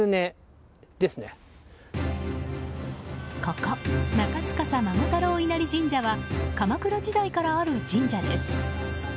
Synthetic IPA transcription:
ɨne | d̪̥e̞sɨne | kakanakat͡sɨ̥kasamamot̪aɾoːinaɾʲid͡ʑĩɲ̟d͡ʑaβakamakɯ̟ɾad͡ʑid̪aikaɾaːɾɯ̟d͡ʑĩɲd͡ʑad̪e̞sɨ̥

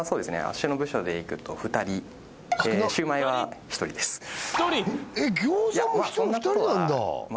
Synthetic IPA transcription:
soːd̪e̞sɨnḛa̰ɕːɨnobɯ̟ɕo̞d̪e̞ikɯ̟t̪o̞ɸɯ̟t̪aɾʲi | eɕɨːmaiβaçi̥t̪o̞ɾʲid̪e̞sɨ̥çi̥t̪oɾʲieɡʲoːzjasõnːt̪oɾinãnd̪a̰ma

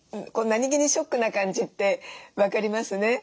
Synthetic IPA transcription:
ko̞naɲ̟ʲiɡʲiɲ̟iɕo̞kːɯ̟nakãɲ̟d͡ʑit̪ːe̞βakaɾʲimasɨne̞

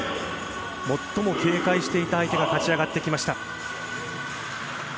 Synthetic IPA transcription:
mo̞t̪ːo̞mo̞kʲe̞ːkaiɕi̥t̪e̞it̪aːit̪e̞ɡakat͡ɕiaɡat̪ːe̞kʲimaɕi̥t̪a

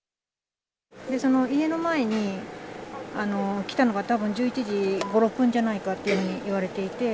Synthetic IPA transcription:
d̪e̞so̞no̞ie̞no̞mae̞ɲ̟i | ano̞kʲi̥t̪ano̞ɡat̪abɯ̟̃ɲ̟d͡ʑɨːit͡ɕiʑiɡo̞ɾo̞pːɯ̟̃ɲ̟d͡ʑanaikat̪ːeiɯ̟hɯ̟ːɲ̟iʔiβaɾe̞t̪e̞it̪e̞

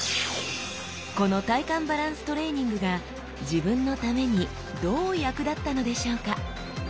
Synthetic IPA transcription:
ko̞no̞t̪aikãmbaɾãɰ̃sɨ̥t̪o̞ɾe̞ːɲ̟ĩŋɡɯ̟ɡa | d͡ʑibɯ̟̃nːo̞t̪ame̞ɲ̟i | d̪o̞ːjakɯ̟d̪at̪ːano̞d̪e̞ɕo̞ːka

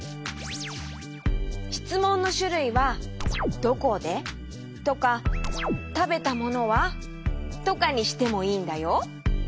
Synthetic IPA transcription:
çi̥t͡sɨmõ̞nːo̞ɕɨɾɯ̟iβa | d̪̥o̞ko̞d̪e̞ | t̪o̞ka | t̪abe̞t̪amo̞no̞βa | t̪o̞kaɲ̟iɕi̥t̪e̞mo̞iːnd̪ajo̞

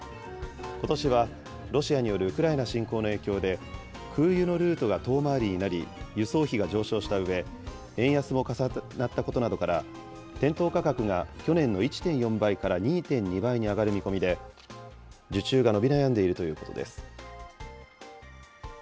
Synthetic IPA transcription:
ko̞t̪o̞ɕiβ̞a | ɾo̞ɕiaɲ̟ijo̞ɾɯ̟ɯ̟kɯ̟ɾaenaɕĩŋko̞ːno̞e̞ːkʲo̞ːd̪e̞ | kʰɯ̟ːjɯ̟no̞ɾɯ̟ːt̪o̞ɡat̪o̞ːmaːɾʲiɲ̟inaɾʲḭjɯ̟so̞ːçiɡad͡ʑo̞ːɕo̞ːɕi̥t̪aɯ̟βe̞ | ẽ̞ɰ̃jasɨmo̞kasanat̪ːako̞t̪o̞nad̪o̞kaɾa | t̪ẽ̞nt̪o̞ːkakakɯ̟ŋakʲo̞nẽ̞nːo̞it͡ɕi̥t̪ẽ̞ɰ̃jõ̞mbaikaɾaɲ̟iːt̪ẽ̞ɲ̟ɲːibaiɲ̟iaɡaɾɯ̟mʲiko̞mʲid̪e̞ | d͡ʑɨt͡ɕɨːɡano̞bʲinajãnd̪e̞iɾɯ̟t̪o̞jɯ̟ːko̞t̪o̞̰d̪e̞̰sɨ̥

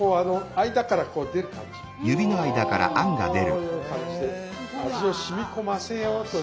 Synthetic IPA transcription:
oːano̞aid̪akaɾako̞ːd̪e̞ɾɯ̟kamod͡ʑi | jɯbʲino̞aid̪akaɾa̰ʔãŋɡa̰d̪e̞ɾɯjokãd͡ʑid̪eaʑio̞ɕimʲiko̞masẽjot̪o

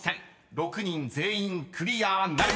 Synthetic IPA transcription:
sʰɛn | ɾokʰɯɲinzeinkʰɯɾijana

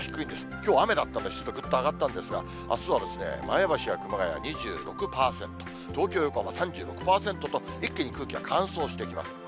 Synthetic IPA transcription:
çi̥kɯ̟ĩnd̪e̞sɨ̥kʲo̞ːame̞d̪at̪ːãnd̪ei̥t̪t͡sɨ̥t̪ːoɡɯ̟t̪ːaːɡat̪ːãnd̪e̞sɨɡa̰ | a̰sɨβad̪e̞sɨne̞̰ma̰jabaɕiɡakɯ̟maɡaja̰ɲ̟iʑɨ̰ːɾo̞kɯ̟paːsẽ̞nt̪o | t̪o̞ːkʲo̞ːjokoamasãɲ̟d͡ʑɨːɾo̞kɯ̟̥paːsẽ̞nt̪o̞t̪o̞ | ikːeɲ̟ikɯ̟ːkʲiβa̰kʰãɰ̃so̞ːɕi̥t̪e̞ikʲima̰sɨ̥

